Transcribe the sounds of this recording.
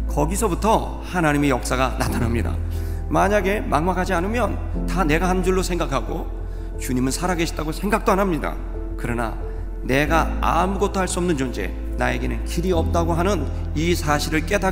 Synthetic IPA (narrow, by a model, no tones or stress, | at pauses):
kʌɡisʰʌbutʰʌ | hanaɲime̞jʌk̚s͈aɡana̰tʰanamɲida̰ | maɲaɡe̞maŋmakʰad͡ʑianɯmjʌn | tane̞ɡahanɯnd͡ʑuɭːosʰe̞ŋɡakʰaɡo | t͡ɕuɲimɯnsʰaɾaɡe̞ɕʰi̥t͈aɡosʰe̞ŋɡak̚t͈oanɦamɲida̰ | kɯɾʌna̰ | ne̞ɡaa̰muɡʌtʰohaɭs͈uʌmnɯnt͡ɕond͡ʑe̞̰ | na̰e̞ɡe̞nɯnkiɾiʌp̚t͈aɡoɦanɯn | isʰaɕʰiɾɯɭk͈e̞da